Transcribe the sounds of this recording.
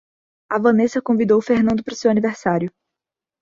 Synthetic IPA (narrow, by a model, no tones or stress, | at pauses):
ɐvɐ̃nesɐkõvid̪owfehnɐ̃nd̪ʊpɾʊsewɐniveɾsaɾjʊ